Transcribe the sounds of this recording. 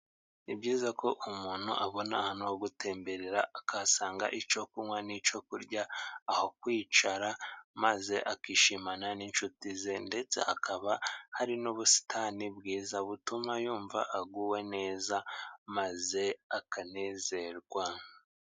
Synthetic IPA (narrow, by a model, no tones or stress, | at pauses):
nibɟiːzakʰo̞ʔumuːn̥hṵʔaβo̞nahanowoɡutʰe̞ːmbe̞ɾeɾaakʰasaːŋɡa̰ʔit͡ʃo̞kumwanit͡ʃo̞kuɾɟaːho̞kwiːt͡ʃaɾamaze̞ʔakiʃimananint͡ʃutize̞nde̞t͡se̞̰a̰kʰaβahaɾinuβusi̥tʰanibɡiːzaβutumajuːɱva̰ʔaɡuwe̞ne̞ːzamaze̞akane̞ːze̞ɾɡwa